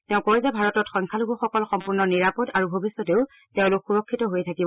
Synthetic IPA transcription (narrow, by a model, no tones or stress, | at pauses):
tɛʊ̃kozɛbʱaɹɔtɔtxɔŋkʰaluɡuxɔkɔlxɔmpuɹnɔniɹapɔdaɹubʱobisːɔteʊ | tɛʊ̃lʊkxuɹɔkʰːitɔɦojtʰakibɔ